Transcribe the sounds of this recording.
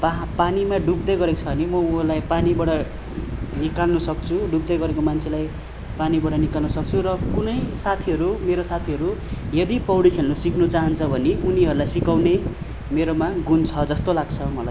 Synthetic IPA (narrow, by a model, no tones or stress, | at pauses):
papanimaɖup̚d̪ʌjɡʌɾet͡sʰʌbʌnimʌuɦʌlajpanibʌɽʌ | nikalnusʌk̚t͡sʰuɖupd̪ʌjɡʌɾekomant͡sʰelaj | panibʌɽʌnikalnusʌk̚t͡sʰurʌkunʌjsat̪ʰiɦʌɾumeɾosat̪ʰiɦʌɾujʌd̪ipʌwɽikʰelnosikʰnut͡saɦʌnt͡sʰʌbʱʌneʔuniɦʌɾulajsikawne | meɾomaɡunt͡sʰʌd͡zʌst̪olaɡt͡sʰʌmʌlaj